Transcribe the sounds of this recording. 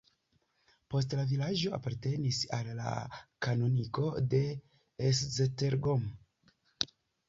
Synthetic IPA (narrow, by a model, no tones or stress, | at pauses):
po̞s̬tlavilad͡ʒo̞a̰paɾte̞nisalːa̰kanoniko̞de̞ː | szeteɾɡom